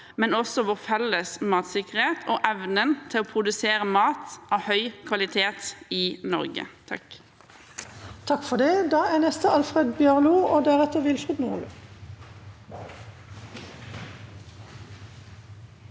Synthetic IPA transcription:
mɛnɔsɔʋʊʁfɛləsmɑːt̪sɪkəʁheːt̪ʰoːʔɛʋnənt̪ʰɪloːpʰʁʊd̪ʉseːʁəmɑːt̪ɑːʋhœʏkʰʋɑlɪt̪ʰeːt̪ɪnɔ̰ʁɡə̰t̪ʰɑ̰k | t̪ʰɑkfɔd̪ɛd̪ɑːæːnɛst̪əɑlfʁeːd̪bjøʁluːoːd̪æʁɛt̪əʋɪlfʁɪːd̪nuʁlə

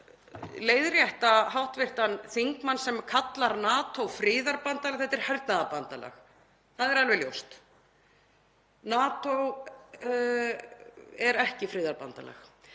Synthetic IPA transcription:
leːjðrjɛht̪aɦawht̪vɪr̥t̪anθiŋkmansɛmkʰat̪laɾnaːt̪ʰowfɾɪːðaɾpant̪alaxθɛt̪ɛɾ̥haɾt̪naðapant̪ala̰x | θaðɛɾalvɛljo̰wst̪ | naːt̪ow | ɛɾɛhcɪfɾɪːðaɾpant̪a̰la̰x

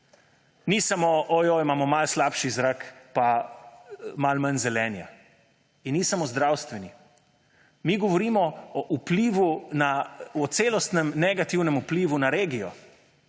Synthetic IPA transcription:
nisamoʔɔjɔimaːmɔmalslaːpʃizɾakpa | malmanzɛlɛːnja̰ | inːisamozd̪ɾawst̪ʋɛni | miɡɔʋɔɾiːmɔɔʔupliːʋunaɔt̪seːlɔst̪nɛmnɛɡat̪iwnɛmupliːʋunaɾeːɡijɔ

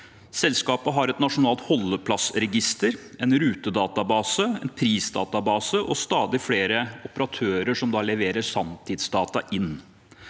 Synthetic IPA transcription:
sɛlskɑːpəɦɑɾɛt̪nɑʂʊnɑːlt̪hɔlːəpʰlɑsɾɛɡɪst̪əɾɛnɾʉːt̪əd̪ɑːt̪ɑbɑːsəɛnpʰɾiːsd̪ɑ̰ːt̪ɑbɑːsəʔɔst̪ɑːd̪ɪfɽeːɾəɔpəɾɑt̪ʰøːɾəʂɔmd̪ɑːlɛʋeːɾəɾsɑmt̪ʰɪd̪sd̪ɑːt̪ɑʔɪnː

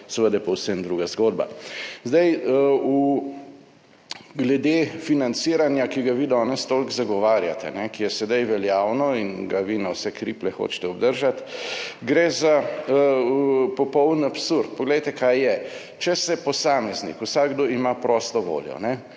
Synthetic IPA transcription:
sɛʋəd̪apɔwsəmd̪ɾuɡazɡoːd̪̚ba̰zd̪aju | ɡlɛd̪efinant̪siːɾanjakiɡaʋid̪ɔːnɛst̪oːlkzaɡɔʋaːɾjat̪ɛ̰nɛkijɛsɛd̪ajʋɛljaːwnɔinɡaʋinawsɛkɾiplɛxo̰t͡ʃt̪ɛɔbd̪əɾʒat̪ɡɾeza | pɔpɔwd̪napsuɾt̪̚pɔɡlɛjt̪ɛkajːɛ | t͡ʃɛsɛpɔsaːmɛznḭkusaɡɡd̪oimapɾɔːst̪ɔʋo̰ːljɔ̰nɛ

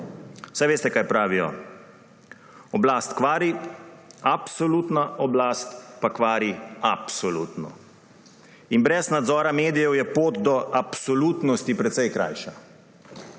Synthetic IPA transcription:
sajʋeːst̪ɛkaːjpɾaːʋijɔ̰ | ɔblaːst̪kʋaːɾi | apsɔlut̪naʔɔblaːst̪pakʋaːɾiapsɔluːt̪nɔ̰ | inbɾɛznad̪zɔːɾameːd̪ijɛwjɛpoːt̪d̪ɔʔapsɔlut̪nɔst̪ipɾɛt̪sɛjkɾa̰jʃa

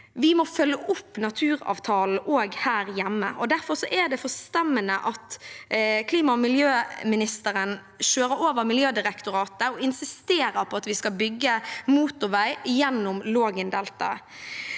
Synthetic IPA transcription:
ʋɪmɔfœlːəʔʊpːnɑt̪ʰʉːɾɑ̰ːʋt̪ʰɑːln̩ʔoːɡhæːɾjæmːə̰ʔɔd̪æɾfɔʁsɔʔɛd̪ɛfɔst̪ɛmːənəʔɑt̪ | kʰliːmɑmɪljøːmɪnɪst̪əɾən | ʃøːɾəɾoːʋəɾmɪljøːd̪ɪɾɛkt̪ʊɾɑːt̪əɔɪnsɪst̪eːɾəɾpʰɔɑt̪ʋɪskɑbʏɡːəmuːt̪ʊʋæɪjɛnːʊmloːɡənd̪ɛlt̪ɑ̰

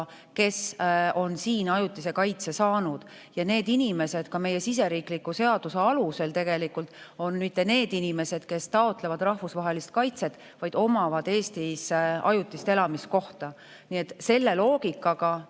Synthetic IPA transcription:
ke̞so̞nsiːnɑjut̪ːˑise̞kɑjt̪se̞sɑːnud̪̥ | jɑne̞ːd̪inime̞se̞d̪̥kɑme̞je̞sis̬e̞ɾiːklikːuse̞ɑd̪̥use̞ɑluse̞lt̪e̞ɡ̥e̞likːult̪ˑo̞nmit̪ːˑe̞ne̞ːd̪̥inime̞se̞d̪̥ke̞st̪ɑo̞t̪ːˑle̞vɑd̪̥rɑhvusvɑɦe̞list̪̚kɑjt̪se̞t̪ːˑ | vɑjd̪̥o̞mɑvɑd̪e̞ːst̪isɑ̰jut̪ˑːist̪e̞lɑmis̚ko̞ht̪ɑ | niet̪ːˑse̞lːe̞lo̞ːɡ̥ikˑːɑɡɑ

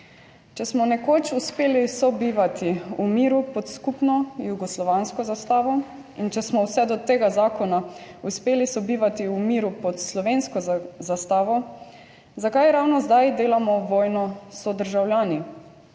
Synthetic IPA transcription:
t͡ʃɛsmɔnɛkoːt͡ʃuspeːlisɔbiːʋat̪iumiːɾupɔt̪skupnɔjuɡɔslɔʋanskɔzast̪aːʋɔ | int͡ʃɛsmɔwsɛd̪ɔt̪eːɡazaːkɔnauspeːlisɔbiːʋat̪iumiːɾupɔt̪slɔʋenskɔzast̪aːʋɔ | zakajɾawnɔzd̪ajd̪eːlamɔʋɔːjnɔsɔd̪əɾʒawljaːni

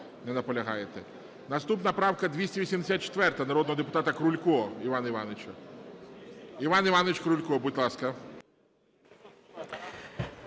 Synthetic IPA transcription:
nɛnɐpɔlʲɐɦɑjet̪ɛ | nɐst̪upnɐpɾɑwkɐd̪ʲʋʲisʲɛʋisʲimd̪esʲat̪̚t͡ʃe̥t̪ʋɛrt̪ɐnɐɾɔd̪nɔɦɔd̪epʊ̥t̪ɑt̪ɐkɾulʲkɔɔiʋɑnɐiʋɑnet͡ʃɐ | iʋɑniʋɑnet͡ʃʲkɾulʲkɔbutʲlˠɑskɐ

